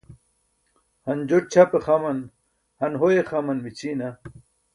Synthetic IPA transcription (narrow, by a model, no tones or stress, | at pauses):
hɐnd͡ʑoʈ̚t͡ɕʰapeχamɐn | hɐnɦojeχamɐnmit͡ɕʰina